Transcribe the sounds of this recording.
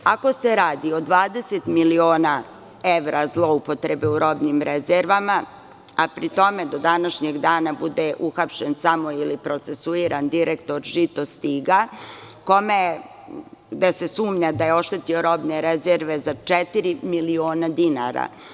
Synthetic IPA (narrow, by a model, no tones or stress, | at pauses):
ako̞se̞ɾaːd̪iod̪ʋaːd̪eset̪milio̞ːna | eʋɾazlˠo̞upo̞t̪ɾe̞beuɾo̞bnimɾʔezeɾʋama | apɾit̪o̞me̞d̪o̞d̪anaʃɲeɡd̪aːnabud̪eʔuxapʃensamo̞ilipɾot̪se̞suiːɾand̪iɾʔekt̪o̞ɾʒit̪ost̪iɡa | ko̞me | ɡd̪ese̞suːmɲad̪ajeo̞ʃt̪e̞t̪io̞ɾo̞bneɾezeɾʋe̞zat͡ʃet̪iɾimilioːnad̪ina̰ɾa̰